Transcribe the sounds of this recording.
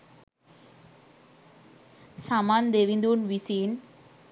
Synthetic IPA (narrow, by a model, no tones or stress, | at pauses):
samand̪eʋind̪uːnʋisin